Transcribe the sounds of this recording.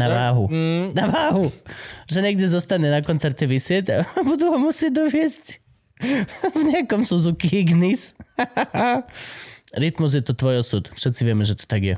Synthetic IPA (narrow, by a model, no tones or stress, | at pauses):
navaːɦunaʋaːɦuʒɛɲɛɡ̚d̪ʲɛzɔst̪anɛnakɔnt̪t͡s̪ɛɾtɛʋisjɛtʲabud̪uɦɔmusjɛd̪ɔʋiɛst | vɲɛakɔmsuzukiɡnis | a | ɾit̪muz̬jɛt̪ɔt̪ʋɔjɔsut̪fʂɛt̪sivjɛmɛʒɛt̪o̥t̪aɡjɛ